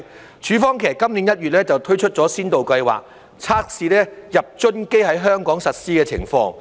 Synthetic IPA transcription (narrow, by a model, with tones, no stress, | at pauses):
t͡ʃʰyː˨˥fɔː˥ŋkʰɛː˨˩kːɐ˥mniː˨˥njɐ˥t̚jyː˨t̚lɛː˥t͡sɐ˨wt̪ʰɵ˥ɥt͡ʃʰɵ˥t̚t͡sɔː˨˥siː˥nt̪o˨wkɐ˧jwa̰ː˨k̚ | t͡sʰaː˥k̚siː˨lɛː˥jɐ˨p̚t͡ʃɵ˥nke˥jɦɐ˨˥jɦœː˥ŋkɔː˨˥ŋsɐ˨t̚siː˥kɛː˧t͡sʰɪ̰˨˩ŋfɔ̰ː˧ŋ